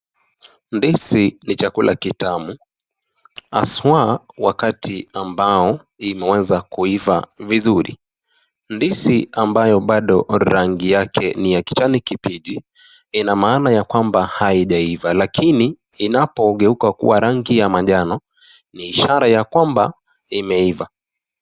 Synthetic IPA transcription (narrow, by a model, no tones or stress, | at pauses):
ndisinit͡ʃakulʔa̰kitamu | a̰swawakatʰiambaɔ | imɛwɛzakuivavizuɾḭ | ndisiambajɔɓaɗɔɾaŋɡijakʰɛnijaki̥t͡ʃanikipiʄi | inamaːnajakwambahaiʄaivalakʰiniːnapɔɠɛukakṵwaɾaŋɡijamaʄanɔ | niːʃaɾajakwamba | imɛiva